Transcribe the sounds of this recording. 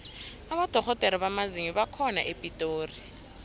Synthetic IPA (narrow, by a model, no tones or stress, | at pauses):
aɓad̥ʱɔɣɔtʼɛɾiɓamaziŋiɓakʰɔna̰ʔepʼitʼoːri